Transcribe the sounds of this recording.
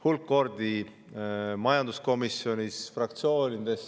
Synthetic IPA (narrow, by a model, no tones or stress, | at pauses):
hulkːo̞ɾd̪̥i | mɑjɑnd̪usko̞misjo̞nʲisfrɑk̚t̪sio̞ːnʲid̪̥e̞s